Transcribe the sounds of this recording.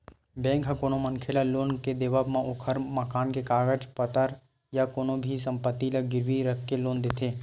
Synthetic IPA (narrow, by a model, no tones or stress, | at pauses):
bɛ̃ːŋkɦãkoːnomənkʰelaloːnked̪eʋabmãʔokʰəɾməkaːnkekaːɡəd͡ʒpət̪əɾ | jakoːnobʱis̬ə̃mpət̪ːilɐɡɪɾʋiɾəkʰkːeloːnd̪ɪt̪ʰeː